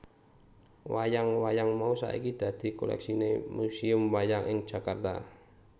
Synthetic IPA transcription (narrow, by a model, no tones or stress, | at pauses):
wajaŋwajaŋmausa̰ḭkid̪̥a̤d̪̥i̤ko̰lɛ̰ksinemusiʊmwajaŋʔɪŋ̥d͡ʒ̥a̤kart̪a̰